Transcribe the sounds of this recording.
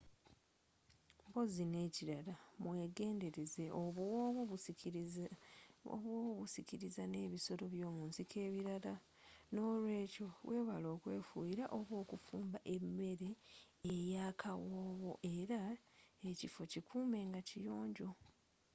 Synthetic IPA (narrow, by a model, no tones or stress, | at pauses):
mbo̞zine̞ːciɾalamwe̞ːɡe̞ːnde̞ɾeze̞ʔoββuβ | o̰βwoːβuβusiciɾizane̞ːβiso̞ɾo̞βjo̞ːmuːnsikʰe̞ːβiɾaa | no̞ːlwe̞ːco̞βwʔe̞ːβalo̞ːkwe̞̰ːfṵjiɾaʔo̞βwo̞ːkufuːmbaʔe̞mːe̞ɾeː | jaːkʰawoːβo̞̰ʔe̞ɾaecifo̞cikʰuːme̞ːŋɡacijo̞ːɲɟo̞